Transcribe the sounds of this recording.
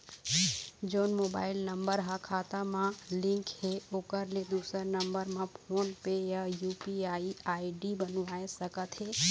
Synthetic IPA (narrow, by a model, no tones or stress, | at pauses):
d͡ʒoːnmoːba̰ːɪlnəmbəɾɦãkʰaːt̪amãlɪ̃ŋkheoːkəɾled̪uːsəɾnəmbəɾmãpʰoːnpejajuːpiaːiaːiɖibənʋaːesəkət̪ɦe